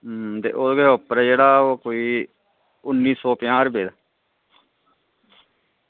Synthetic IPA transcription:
t̪ḛːʔoːɡeːopɾɛːd͡ʒeːɽaːoːkoːiː | ʊnːiːsɔːpɪjãːɾbeːd̪aː

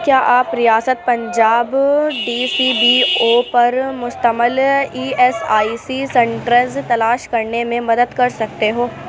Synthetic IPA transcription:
kjaːʔaːpɾijaːsət̪̚pɐ̃ɲd͡ʒaːbɖiːsiːbiːoːpɐɾmʊst̪əməliːɛsaːisisɛ̃ɳʈɾəzt̪ɐlaːʃkɐɾnemẽmɐd̪əd̪kɐɾsɐk̚t̪eɦoː

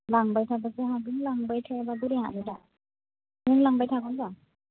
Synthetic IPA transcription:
laŋbajtʰabasɯɦaɡɯŋlaŋbajtʰababuɾeŋa̰ʔnida | nɯŋlaŋbajtʰaɡɔnza

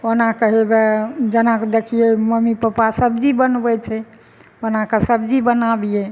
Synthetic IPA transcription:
onakəɦebed͡ʒənakd̪ekʰijeməmipəpasəbd͡ʒibənbɛt͡ʃʰɛ | onakesəbd͡ʒibənabijɛ

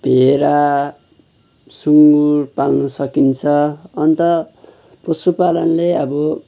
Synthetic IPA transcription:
bʱeɾa | suŋɡurpalnusʌkint͡sʰʌʌnt̪ʌ | pʌsupalʌnleʌbʌ

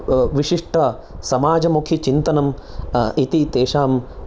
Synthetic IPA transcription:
ʋiʂiʂʈʰɐ | sɐmaːd͡ʒɐmukʰit͡ʃint̪ɐnɐmit̪it̪eːʃaːm

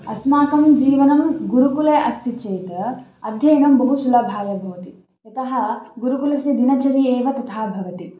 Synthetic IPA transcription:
ɐsmaːkɐmd͡ʒiːʋɐnɐmɡuɾukuleʔɐst̪ʰit͡ʃeːt̪ɐ | ɐd̪ʱjɐjɐnɐmbɐɦusulɐbʱaːjɐbʱɐʋɐt̪i | t̪ɐt̪ɐɦɐ̆ɡuɾukulɐst̪id̪inɐt͡ʃɐɾieːʋɐt̪ɐt̪ʰaːbʱɐʋɐt̪i

